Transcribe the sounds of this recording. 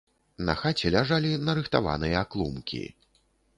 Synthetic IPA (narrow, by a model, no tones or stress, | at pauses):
nɐ̰xat͡sʲɛlʲaʐalʲinɐɾɨxt̪ava̰nɨjɐaklˠumkʲḭ